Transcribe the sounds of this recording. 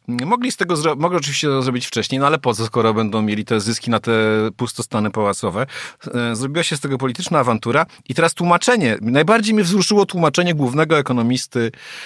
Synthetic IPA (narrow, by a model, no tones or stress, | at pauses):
mɔɡlʲist̪ɛɡɔzɾɔmɔɡlɛɔt͡ʂ̬ɨvʲiɕt͡ɕɛt̪ɔzɾɔbʲit͡ɕft͡ʂɛɕɲejnɔalɛpɔzɔskɔɾɔbɛnd̪ɔ̃w̃mʲjelʲit̪ɛzɘskʲinat̪ɛpust̪ɔst̪anɘpawat̪sɔvɛzɾɔbʲiwaɕɛst̪ɛɡɔpɔlʲit̪ɘt͡ʂnaːvant̪uɾa | it̪ɛɾast̪wumat͡ʂɛɲɛnajbaɾd͡ʑejmʲɲɛvzɾuʂɘwɔt̪wumat͡ʂɛɲɛɡwuvnɛɡɔɛkɔnɔmʲist̪ɘ